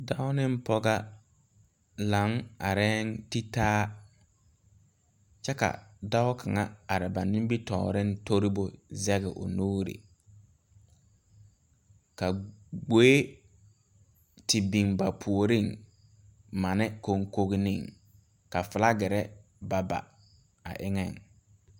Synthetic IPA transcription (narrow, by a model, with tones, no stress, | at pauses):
da˦ʊ˦nɪ˦m˦pɔ˦ɡa˦ | la˨˦ŋa˨ɾɛ˦nti˦taː˦ | t͡ʃɛ˦ka̰˨da˦ʊ˦kʰa˨ŋa̰˦a˨ɾɪ˨ba˨nɪ˦m˦bi˦tɔ̰ː˨ɾɪ˦n˦to˦ɾi˦bʊ˦zɛ˦ɣɪ˨ʔʊ̰˨nuː˦ɾḭ˨ | ka˨ɡ͡beː˦ | tɪ˨bi˨ŋba˨pʰu˨o˨ɾi˦˨ŋ | ma˨nɪ˦ko˦ŋko˦ɣi˦ni˦˨ŋ | ka˨fɪ˨la˦ɡɪ˨ɾɛ˦ | ba˨ba̰˨ | a̰˨ʔɪ˦ŋɛ˨ŋ